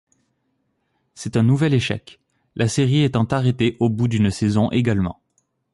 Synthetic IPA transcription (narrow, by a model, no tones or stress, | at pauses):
sɛt̪ɛ̃nuvɛleʃɛ̰k | lʔaseʁiet̪ɑ̃t̪aʁet̪eʔobud̪ynsɛzɔ̃ʔeɡalmɑ̰̃